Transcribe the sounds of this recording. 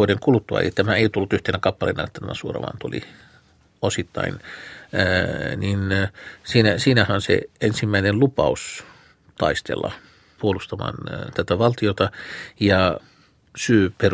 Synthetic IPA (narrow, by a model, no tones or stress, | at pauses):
odeŋkulut̪ːuɑ̰ḛlit̪æmæeiot̪ulːut̪yht̪enækɑpːɑlḛːnɑ̰net̪ːæt̪æmæ̰suorɑ̰mɑ̰nt̪ulḭ | osit̪ːɑ̰inː | ninsiːnæsiːnæhæonsḛensimːæinenlupɑus | t̪ɑ̰ist̪ḛlːɑ̰ | puolust̪ɑmɑ̰ːnt̪æt̪æʋɑlt̪iot̪ɑjɑ | syːper